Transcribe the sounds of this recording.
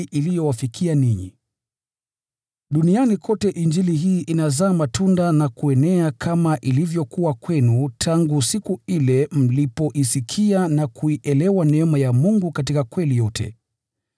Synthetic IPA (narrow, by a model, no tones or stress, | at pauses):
ʔilijɔwafikʰianiɲḭ | ɗunianikʰɔtɛʔind͡ʒiliɦiːʔinazaːmatundanakuɛnɛakʰamaʔilivjɔkuwakwɛnutʰaŋɡusikuilɛm̩lipɔʔisikʰianakuiʔɛlɛwanɛɛmajamuŋɡukat̬ikakwɛlijɔtʰɛ̰